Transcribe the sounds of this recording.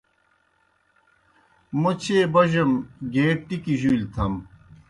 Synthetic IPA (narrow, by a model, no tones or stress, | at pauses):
mut͡ɕʰeːbɐʑɐmɡeːʈʈːikiʑuilt̪ʰɐm